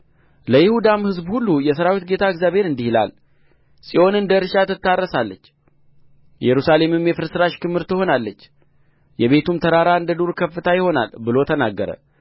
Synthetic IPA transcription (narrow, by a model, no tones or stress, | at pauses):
ləjɪhud̪amhɨzbhulːujɛsəɾawit̪̚ɡe̞t̪ʰaɨɡzjaβhe̞ɾɨnd̪ihla̰l | sʼiʔo̞nɨnd̪əɾʃat̪ɨt̪ːarːəsalːət͡ʃː | jɛɾusale̞mɨmjɛfɨɾsɨɾaʃkɨmhɨɾt̪ɨho̞nalːət͡ʃː | jɛβe̞t̪umt̪ʰəɾaɾaɨnd̪əd̪uɾkʰəfːɨt̪ʰajɪho̞na̰lbɨlo̞t̪ʰənaɡːəɾə̰